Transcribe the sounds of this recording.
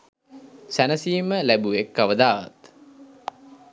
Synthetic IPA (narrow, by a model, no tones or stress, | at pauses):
sænəsiːməlæbuekːaʋəd̪aːʋa̰t̪